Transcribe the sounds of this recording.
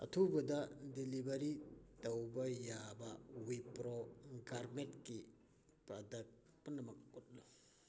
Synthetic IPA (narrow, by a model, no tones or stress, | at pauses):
ɐ̰tʰubɐdɐdilibɐɾitɐwbɐjabɐwipɾoɡaɾmetki | pɾɐdɐk̚ | pɐnɐmɐk̚ut̚lo